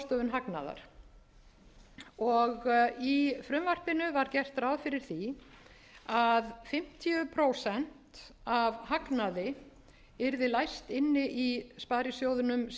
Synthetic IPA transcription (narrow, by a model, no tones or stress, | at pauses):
st̪œːvʏnɦakna̰ða̰ɾ̥ | ɔɣifɾʏmvar̥pɪnʏvaɾcɛr̥t̪ɾawðfɪɾɪɾ̥θi | aðfɪm̥t̪ʰijʏpʰɾoːwsɛn̥t̪avhaknaðɪ | ɪɾðɪlajst̪ɪnːɪʔispaːðɾɪsjowðʏnʏms